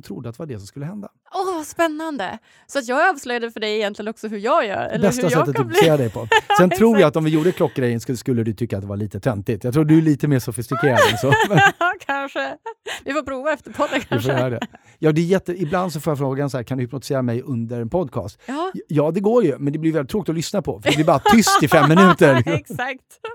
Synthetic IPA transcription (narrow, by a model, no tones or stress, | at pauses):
t̪ʰɾʊd̪ːəat̪d̪ɛvaɖɛsɔmskɵlːəhɛnd̪a | ɔvaspɛnːand̪ə̰ | sɔat̪jɑːɡɑːvslœjad̪əfœɖɛɪjɛnt̪lɪənɔksɔɦɵɾjɑːɡjœ̰ːɾɛlbɛst̪asɛt̪ːət̪ːɪk̪ɪseːɾad̪ɛjpʰɔsɛnt̪ʰɾuːɾjaat̪ɔmvɪjuːɖəkʰlɔkːɡɾɛjːənsskɵlːəd̪ɵt̪ʰʏkːat̪d̪ɛvaɭiːt̪ət̪ʰɛnt̪ɪt̪jat̪ʰɾuːdɵæɭiːt̪əmeːʂʊfɪst̪ɪkʰeːɾad̪ɛnsɔmɛnkʰanʂəvɪfoːpʰɾuːvaɛft̪əɾpʰɔd̪ːəkʰavɪfoːjœːɾad̪ɛ̰ | jɑːd̪ɛjɛt̪ːəɪbland̪s̬ɔfoːjafɾoːɡansɔhæːɾkʰand̪ɵhɪpnʊt̪ɪ̥seːɾamɛjɵnd̪əɾɛnpʰɔd̪kʰɑ̰ːst̪jɑːd̪ɛɡoːɾjɵmɛnd̪ɛblɪjɛlɪt̪ʰːɾoːk̚ɪt̪ɔlʏsnapʰɔfœɾɛblɪbɑɾat̪ʰʏst̪ɪfɛmmːɪnʉ̟ːt̪əɾakt̪